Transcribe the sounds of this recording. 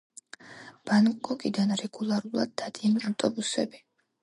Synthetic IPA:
b̥ankʼɔkʼid̪anɾɛɡulˠaɾulˠa̰d̪̚ːad̪ianiaft̪ʼɔbusɛbi

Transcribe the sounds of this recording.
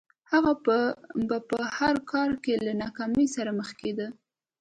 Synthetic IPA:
haɣaəbapəhaɾkɑɾkelanɑkɑməjsaɾaməxked̪ə

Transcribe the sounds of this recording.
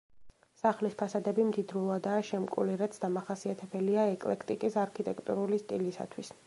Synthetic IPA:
saχlispʰasad̪ɛbimd̪id̪ɾulˠad̪aːʃɛmkʼuliɾɛt̪sʰd̪amaχasiat̪ʰɛbɛliaɛkʼlɛkʰt̪ʼikʼisaɾkʰit̪ʼɛkʰt̪ʼṵɾulist̪ʼilisa̰t̪ʰwis

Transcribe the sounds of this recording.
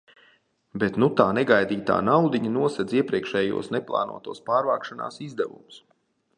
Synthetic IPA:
bet̪nut̪aːnɛɡajd̪iːt̪a̰ːnawd̪iɲɐnuɔsɛd̪ziɛpɾiɛkʃɛːjṵɔsnɛplˠa̰ːnʔṵɔt̪uɔspaːɾvaːkʃana̰ːsizd̪ɛvṵmus

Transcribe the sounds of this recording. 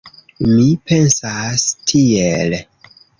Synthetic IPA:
mipensastʰiel

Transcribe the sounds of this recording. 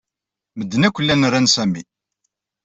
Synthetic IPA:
məd̪ːənækʷːəlːænrænsæmi

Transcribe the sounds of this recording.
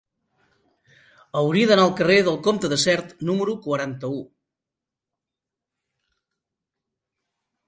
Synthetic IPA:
əwɾiəðənaəlˠkəreðəlˠkomt̪əðəsɛɾt̪numəɾukwəɾant̪əu

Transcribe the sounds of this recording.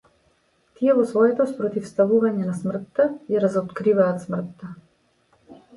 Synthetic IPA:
t̪ijɛvɔsvɔjɛt̪ɔspɾɔt̪ifst̪avuvaɲɛnasmr̩t̪ːajaɾazɔt̪kɾivaːt̪smr̩t̪ːa

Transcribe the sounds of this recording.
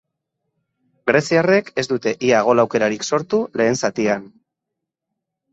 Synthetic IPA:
ɡɾe̞siare̞ke̞zd̪ut̪e̞ʔiaɣ̞o̞lawke̞ɾaɾikso̞ɾt̪ule̞ːnsat̪ian

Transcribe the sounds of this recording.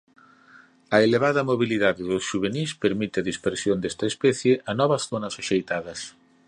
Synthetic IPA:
ɐeleβ̞aðɐmoβiliðaðɪðʊsʃuβ̞enispeɾmit̪ɪɐðispeɾsjond̪est̪ɐespɛθjeʔɐnɔβɐsθonɐsoʃejt̪aðɐs

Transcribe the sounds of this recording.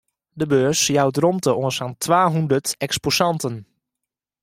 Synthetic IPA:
dəbøːsjawdrɔmtəʔoənsaːntʰʋaːɦundətɛksposɑntən

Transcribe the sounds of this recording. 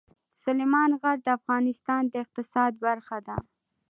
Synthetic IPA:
sʊlemɑnɣaɾd̪əafɣɑnɪst̪ɑnd̪əɪq̚t̪ɪsɑd̪̚baɾxad̪a

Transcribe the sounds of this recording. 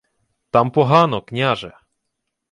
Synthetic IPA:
t̪ampɔɦanɔkɲʲaʐɛ

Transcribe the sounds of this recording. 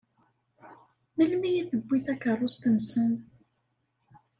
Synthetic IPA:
məlmijiθəbːiθækəɾˤːost̪əmsən

